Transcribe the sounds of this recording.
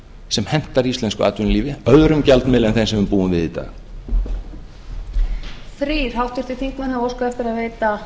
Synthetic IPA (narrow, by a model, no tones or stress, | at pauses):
sɛmhɛm̥t̪aɾiist̪ɛnskʏa̰ːt̪ʏnliːvɪœðɾʏmcalt̪nmɛlɛnθẽnsɛmvʏmpuːʏmvɪðit̪a̰ɣ | θɾiːɾ̥hawht̪ʏɾ̥t̪ɪθiŋkmɪnavowskaɛft̪ɪɾaðveːjt̪a